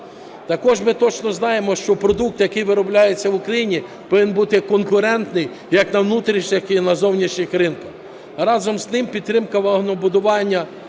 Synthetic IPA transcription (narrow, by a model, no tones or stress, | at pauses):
t̪ɐkɔʒmɪt̪ɔt͡ʃnɔznɑjemɔʃt͡ʃɔpɾɔd̪uk̚t̪jɐkɪjʋɪɾɔblʲajet͡sʲːɐʋʊkɾɐjinʲipɔʋɪnbut̪ɪkɔnkʊɾɛnt̪nɪj | jɐknɐwnut̪ɾʲiʃɲʲɪxinɐzɔwnʲɐʃɲʲɪxɾɪnkɐx | rɑzɔmznɪmpʲid̪t̪ɾɪmkɐʋɐɦnɔbʊd̪ʊʋɑnʲːɐ